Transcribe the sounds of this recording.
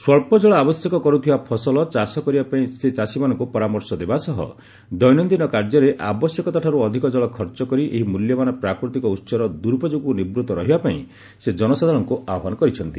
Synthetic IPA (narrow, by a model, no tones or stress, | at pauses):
swɔɭpɔd͡ʒɔɭɔabɔsjekɔkɔɾut̪ʰibapʰɔsɔlɔt͡ʃasɔkɔɾibapaĩset͡ʃasimanɔŋkupɔɾamɔɾsɔd̪ebasɔɦɔ̰ | d̪ɔjnɔnd̪inɔkaɾd͡ʒɔɾeʔa̰bɔsjekɔt̪aʈʰaɾuɔd̪ʱikɔd͡ʒɔɭɔkʰɔɾt͡ʃɔkɔɾiʔḛɦimuljɔmanɔpɾakɾɔt̪ikɔutːsɔɾɔd̪uɾpɔd͡ʒuɡunibɾut̪ɔɾɔɦibapaĩ | sed͡ʒɔnɔsad̪ʱaɾɔŋkuʔaɔɦanɔkɔɾit͡ʃʰɔnt̪i